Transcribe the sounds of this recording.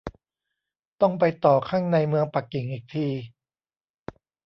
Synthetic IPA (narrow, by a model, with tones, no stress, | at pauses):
t̪ɔ˥˩ŋp̬a˧jt̪ɔː˨˩kʰaː˥˩ŋna˧jmɯ˧əŋpa˨˩kːi˨˩˦ŋʔiː˨˩k̚t̪ʰiː˧